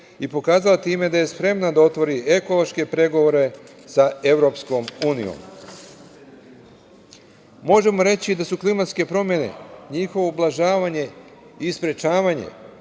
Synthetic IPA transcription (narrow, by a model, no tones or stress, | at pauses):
ipo̞kaːzalat̪iːme̞d̪aje̞spɾe̞mnad̪ao̞t̪ʋo̞ɾie̞ko̞lˠo̞ʃke̞pɾe̞ɡo̞ʋoɾe̞ | sae̞ʋɾo̞psko̞muːnijo̰m | mo̞ʒe̞mo̞ɾe̞t͡ɕid̪asuklimat̪ske̞pɾo̞mje̞ne̞̰ɲixo̞ʋoublˠaʒaːʋaɲe̞ | ispɾe̞t͡ʃaːʋaɲe̞̰